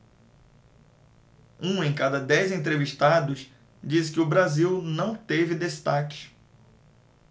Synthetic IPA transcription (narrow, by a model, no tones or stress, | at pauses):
ũẽj̃kad̪ɐd̪ɛjzẽt̪ɾeviʃt̪ad̪ʊs | d͡ʒiskɪʊbɾaziwnɐ̃w̃t̪evɪd̪est̪akɪ̥